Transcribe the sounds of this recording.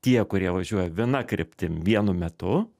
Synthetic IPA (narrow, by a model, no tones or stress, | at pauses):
t̪ʲiɛkʊɾʲiɛʋɐʒʲuɔjɛʋʲɪnɐkɾʲɪpʲt̪ʲɪʋʲiɛnʊmʲɛt̪ʊ